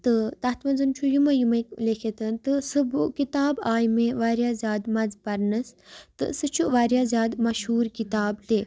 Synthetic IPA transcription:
t̪ɨt̪ɐt̪ʰmɐnd͡zɨnt͡ʃʰujumɐjumɐklekʰet̪ɨnt̪ɨsɨbukit̪aːbaːjmẽʋaːɾjaːzʲjaːd̪mɐd͡zpɐɾnɨst̪ɨ̰sɨt͡ʃʰuʋaːɾjaːzjaːd̪mɐʃɦuːɾkit̪aːbt̪e

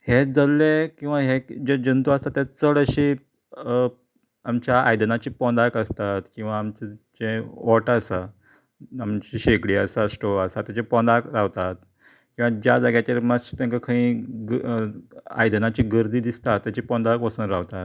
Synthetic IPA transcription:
hed͡zəlːekĩw̃ʋaɦed͡ʑed͡ʑənt̪uast̪at̪ːjat͡səɽəɕi | amt͡ɕjaajd̪nat͡ɕiːpɔ̃nd̪akəst̪at̪kĩw̃ʋaːmt͡ɕt͡ɕẽʋɔʈasa | amt͡ɕiːɕekɽiːasasʈoəsat̪ːjat͡ɕepɔ̃nd̪akɾaʋt̪at̪̚ | kĩw̃ʋad͡ʑjad͡zaɡjat͡ɕeɾmast̪ẽŋkakʰaĩ | a̰jd̪nat͡ɕiːɡəɾd̪iːd̪ist̪at̪ːjat͡ɕipɔ̃nd̪akʋəsuːnɾaʋt̪at̪

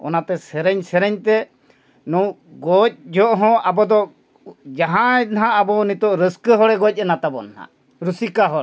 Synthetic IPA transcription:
ɔ̰nat̪ɛsɛɾɛɲsɛɾɛɲt̪ɛ | nu | ɡɔc̚ˀd͡ʒɔʔɦɔ̃ʔabɔd̪ɔ | d͡ʒaɦãɛt̪̚nɦaːbɔnit̪ɔʔɾəskəɦɔɽɛɡɔc̚ˀɛnat̪abɔnhã̰ | ɾusikaɦɔ

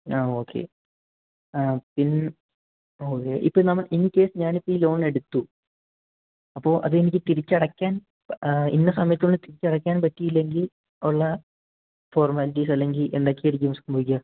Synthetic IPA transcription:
aːoːkʰːe̞̰ː | apin | o̞ːkːe̞ːʔḭpːoːnɐmːɐɭʔinːikːe̞ːsɨɲaːnipːiilo̞ːɳe̞ɽut̪ːu | ɐpːo̞ːʔɐ̰ðɨe̞nikʲːɨt̪iɾit͡ɕːɐɽɐkʲːaːn | pḭnːɐsɐmɐjɐt̪ːioɳɖɨt̪iɾit͡ɕːɐɽɐkʲːaːnpɐtːijilːe̞ŋɡil | oɭːɐ | foːrmaːliʈisɐlːe̞ŋɡile̞̰nd̪aːkːejoɾuɡeːmskumboikʲːɐ

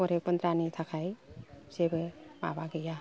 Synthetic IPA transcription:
ɔɾek̚pɔnd̪ɾanit̪ʰakʰajsebema̰baɡeja

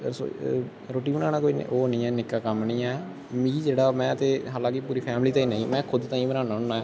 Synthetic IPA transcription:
ɾso̰ | ɾoːʈiːbənaːnaːkoːin̰ːʔoːonĩːɛːnɪkːaːkəmniːɛː | mĩːd͡ʒeːɽaːmɛ̃ːət̪eːɦalãːkipuːɾiːpʰɛːmliːt̪ãːĩːnəĩːmɛ̃ːkʰʊd̪t̪ãːĩːbənaːnaːɦonaːɛː

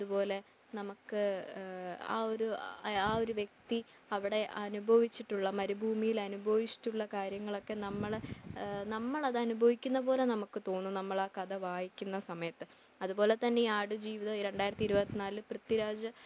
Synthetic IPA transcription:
ɐðupo̞ːle | nɐmukːɨ | a̰ːo̞ɾuaːo̞ɾuʋjek̚t̪i | ɐʋiɽe̞ʔɐnubʱɐʋit͡ɕːiʈːuɭːɐmɐɾubʱuːmijilɐnubʱɐʋit͡ɕːi̥ʈːuɭːɐkaːɾjɐŋːɐɭo̞kːe̞nɐmːɐɭnɐmːɐɭɐðɨɐnubʱɐʋikʲːun̪ːɐpo̞ːle̞nɐmukːɨt̪o̞ːnːunɐmːɐɭaːkɐd̪ɐʋaːjikʲːunːɐsɐmɐjɐt̪ːɨ | ɐðubo̞ːle̞t̪ɐnːeiaːɽɨd͡ʑiːʋiðɐɾe̞ɳɖaːjɾɐt̪ːiɾubɐt̪ːinaːlɨprɐt̪ːiɾaːd͡ʑɐ

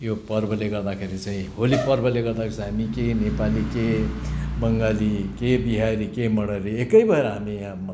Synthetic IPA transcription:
jopʌrbʱʌleɡʌɾd̪akʰeɾit͡saĩɦolipʌrbʱʌleɡʌɾd̪akʰeãɦamikenepalike | bʌŋɡalikebiɦaɾikemʌɽʌɾiekʌibʱʌɦeɾʌɦamiãm

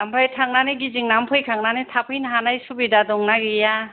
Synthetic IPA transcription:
ampʰajtʰaŋ̚naneɡiziŋnampʰɯjkʰaŋnanetʰapʰɯjnɦanajsubidadɔŋnaɡija

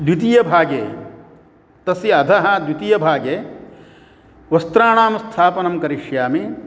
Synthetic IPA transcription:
d̪wit̪ijɐbʱaːɡeː | t̪ɐsiɐd̪ʱɐɦɐ̆d̪wit̪ijɐbʱaːɡeː | ʋɐst̪ɾaːɳaːmst̪ʰaːpɐnɐmkɐɾiʃjaːmi

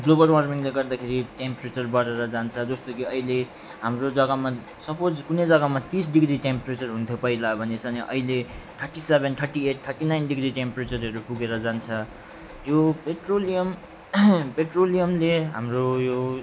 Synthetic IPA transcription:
ɡlobʌlwʌrmiŋleɡʌrd̪akʰeɾiʈempret͡sʌrbʌɾeɾʌd͡zant͡sʰʌd͡zʌst̪okiʌile | ɦamrod͡zʌɡama | sʌpod͡zkunʌjd͡zʌɡamat̪isɖiɡriʈempret͡sʌrɦũnt̪ʰjopʌilabʱʌnet͡sʰʌniʔʌ̰ileʈ̪ʰʌrʈisebʱent̪ʰʌrʈieʈ̚t̪ʰʌrʈinajnɖiɡriʈempret͡sʌrɦʌɾupuɡeɾʌd͡zant͡sʰʌ | jopeʈrolijʌm | peʈrolijʌmleɦa̰mrojo

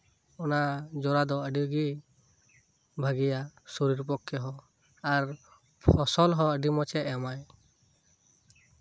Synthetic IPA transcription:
ɔnad͡ʒɔɾad̪ɔəɖiɡi | bʱaɡijasoɾiɾp̬ɔkʰːɔɦɔ | aɾ | pʰɔsɔlɦɔ̃əɖimɔt͡ʃɛʔɛmaj

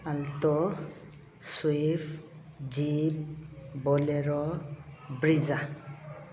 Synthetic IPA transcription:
altɔ | swifd͡ʒibbɔleɹɔ | bɹiza

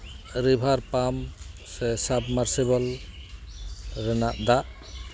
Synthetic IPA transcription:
ɾibʱaɾpamsɛsabmaɾsibal | ɾɛnaʔd̪aʔ

